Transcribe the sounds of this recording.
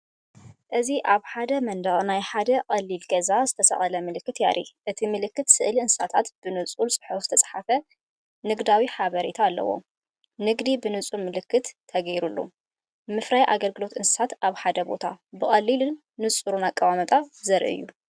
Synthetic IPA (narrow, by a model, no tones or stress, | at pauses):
ʔɨziʔaβħad̪ɐmɐnd̪ɐɣʼnajħad̪ɐqʼɐlːilɡɐzazɨt̪ʰɐsɐ̰ʔʼɐlɐmɨlɨkːɨt̪ja̰ɾʔḭʔɨt̪ʰimɨlɨkːɨt̪sɨʔliɨnssat̪ʰat̪b̥ɨnɨt͡sʼulsʼɨ̥ħfzɨ̥t̪ʰɐt͡sʼħafɐ | nɨɡd̪awiħaβɐɾit̪ʰaːlːɐ̰wo̰ | nɨɡd̪ibɨnɨt͡sʼulmɨlɨkːɨt̪ʰːɐɡɐjɾulːṵ | mɨfɾajʔaɡɐlɡɨlo̞t̪ʔɨnsɨ̥sat̪ʔaβħad̪ɐbo̞̰t̪ʰabɨχʼɐlːilɨnːɨt͡sʼuɾunakʼːɐβamɐt̪ʼazɐɾʔɨ̰jːu